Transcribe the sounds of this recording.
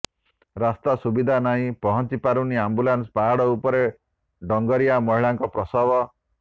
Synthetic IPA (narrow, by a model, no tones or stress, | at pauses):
ɾast̪asubid̪ʱanaɦĩpɔɦɔnt͡ʃipaɾuniambulanspaaɽɔupɔɾe | ɖɔŋɡɔɾijamɔɦiɭaŋkɔpɾɔsɔbɔ